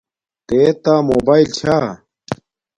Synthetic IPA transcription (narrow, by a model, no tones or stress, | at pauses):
t̪eːt̪aːmoːbaːilt͡ɕʰaː